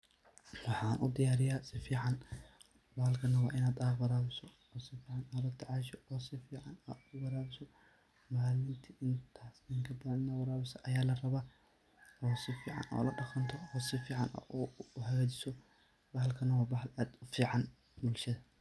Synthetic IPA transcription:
wɑħɑːnʔʊ̰d̪ɪjaːɾɪjaːsɪfiːʕɑn | bɐhlkʰɐnɐwɑːʔɪnaːd̪ɐbɐɾaːβɪsɔ | ɔːsɪfiːʕɑnːlɐt̪ʰɪʕɑːʃɔɔːsɪfiːʕɑnɐʊbɐɾaːβɪsɔ | maːlɪnt̪ʰiɪnt̪ʰaːsnɪŋkʰɐbɐɐnɪnɐwɐɾaːβɪsɐʔɐjaːlɐrɐβaː | ɔːsɪfiːʕɑ̰nʔɔ̰ːlɐɖɑqɐnt̪ʰɔɔːsɪfiːʕɑnʔɐ̰ʔɦɐɣaːt͡ʃɪsɔ | bɐɦlkʰɐnɐwaːbɐħlaːd̪ʊfiːʕɑn | bʊlʃɐðɐ

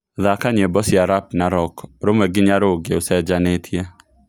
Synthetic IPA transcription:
ðakaɲebɔsjaɾap̚naɾɔkɾomɛɡɪɲaɾoɡeosɛd͡ʒanetʰje

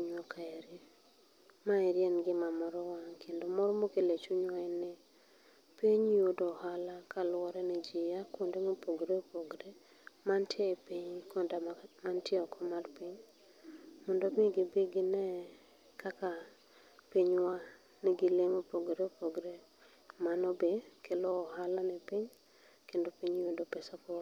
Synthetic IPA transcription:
iɲwɔkʰaɛɾi | maɛɾjɛnɡɪmamɔɾɔwakʰendomɔɾɔmokelet͡ʃuɲwaɪnɪ | piɲiodohalakalwɔɾɛnid͡ʒijakondemopoɡɾeopoɡɾe | mantʰjepiɲkondamantjeɔkʰɔmarpiɲ | mɔndomɪɡɪbeɡɪnɛ | kʰaka | piɲwa | neɡɪleŋopoɡɾeopoɡɾe | manɔbekʰelɔːɦalanɛpiɲ | kendopiɲjodopesakɔ

